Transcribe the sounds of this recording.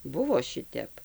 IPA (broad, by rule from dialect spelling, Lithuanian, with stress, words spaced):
ˈbʊʋoː ˈʃʲɪtʲɛp